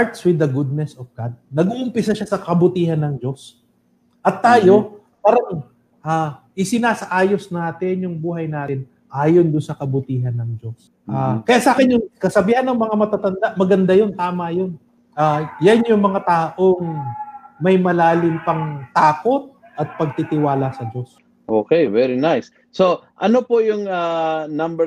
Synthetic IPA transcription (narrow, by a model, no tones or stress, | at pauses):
aɹt̪swɪd̪ɐɡud̪̚nɛsɔfɡ̥ad̪̚nɐɡuʔʊmpɪsɐʃasɐkɐbʊt̪iːhɐnːɐŋd͡ʒo̞s | ʔɐt̪ːaːjo̞ | paːɾɐŋ | ʔaːʔɪsɪnaːsɐʔaːjo̞snaːt̪ɪnjʊŋbuːɦɐjnaːt̪ɪn | ʔaːjond̪ʊnsɐkɐbʊt̪iːɦɐnːɐŋd͡ʒos | ʔaːkɐjaʔsaːkɪnjʊŋkɐsɐbiːhanːɐŋmɐŋamɐt̪at̪ɐnd̪aʔmɐɡɐnd̪ajont̪aːmɐjon | ʔajanjʊŋmɐŋat̪aːʔo̞ŋ | mɐjmɐlaːlɪmpɐŋt̪aːko̞t̪̚ | ʔɐt̪̚pɐɡ̚t̪it̪ɪwaːlɐsɐd͡ʒo̞s | ʔo̰ːkɛjvɛɾinajsː | oʔɐnopojʊŋanɐmbɛ